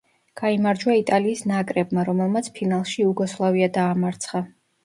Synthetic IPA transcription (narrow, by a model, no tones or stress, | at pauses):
ɡ̥aimaɾd͡ʒwait̪ʼaliːsnakʼɾɛbmaɾɔmɛlˠmat̪sʰpʰinalˠʃiuɡɔslˠaviad̪aːmaɾt̪sʰχa